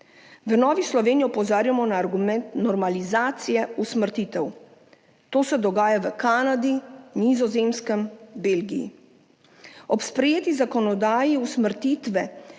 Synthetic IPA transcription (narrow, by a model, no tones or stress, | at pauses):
ʋənɔːʋislɔʋeːnijɔɔpɔzaːɾjamɔnaːɾɡumɛnt̪nɔɾmalizaːt̪sijɛusməɾt̪iːt̪ɛw | t̪oːsɛd̪ɔɡaːjaʋəkaːnad̪inizɔzemskəmbeːlɡijḭ | ɔpspɾɛjeːt̪izakɔnɔd̪aːjiusməɾt̪iːt̪ʋɛ